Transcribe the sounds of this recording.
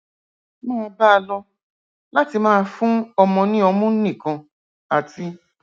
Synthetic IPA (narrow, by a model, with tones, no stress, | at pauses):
mãː˦˧˦ba˦˧lɔ˧ | la˦ti˧mãː˦˧fũ˦ɔ˧mɔ̃˧nĩ˦ɔ˧mũ˦nĩ˦˨kã˧ | a˨ti˧